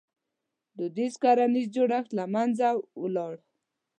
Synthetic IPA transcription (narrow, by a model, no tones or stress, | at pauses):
d̪əd̪iskaɾanizd͡ʒoɽaxt̪lamand͡zawəlɑɽ